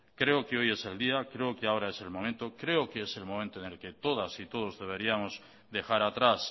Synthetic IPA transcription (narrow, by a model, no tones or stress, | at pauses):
kɾe̞okeo̞je̞se̞ld̪iakɾe̞okeao̞ɾae̞se̞lmomẽnt̪o̞kɾe̞okeese̞lmõmẽnt̪oenelke̞t̪o̞ðasit̪o̞ð̞o̞zðe̞β̞e̞ɾiamo̞z | d̪e̞xaɾat̪ɾas